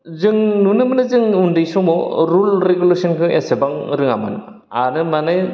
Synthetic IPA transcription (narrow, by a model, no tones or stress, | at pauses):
zɯŋnunɯmɯnɯzɯŋundɯjsɔmɔɾulɾeɡulesɔnkʰɯʔesebaŋɾɯŋa̰ma̰nɯ̰ | a̰nɯmanɯ